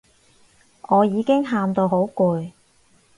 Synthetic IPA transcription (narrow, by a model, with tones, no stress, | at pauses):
ʔɔː˨˧jiː˨˧kɪ˥ŋɦaː˧mt̪o˧wɦo˨˥wkuː˨j